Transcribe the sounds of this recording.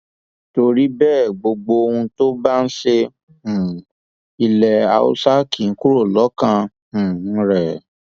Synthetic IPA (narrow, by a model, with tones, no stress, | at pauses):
to˧ɾi˦bɛː˦˨ɡ͡bo˧ɡ͡bo˧o˧hũ˧to˦ba˦n̩˦ʃẽ˦˨ | i˧lɛ˧a̰˧ṵ˦sa˦ki˨˦ku˦ɾo˦˨lɔ˨˦kã˧ | ũ˨˦ɾɛ˦˨